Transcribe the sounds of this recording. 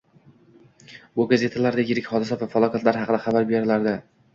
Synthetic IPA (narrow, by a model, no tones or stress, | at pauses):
bʊɡaze̞t̪ʰalaɾd̪ejɪɾɪkʲhɒd̪ɪsavafalˠɒkʲʰat̪laɾɦɑqɨd̪aχɑbaɾbe̞ɾɪlaɾd̪ɪ